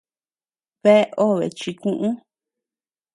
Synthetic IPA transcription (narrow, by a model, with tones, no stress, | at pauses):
βe˦ʔo˦˨βḛ˨t͡ʃi˧kũ˦ʔũ˦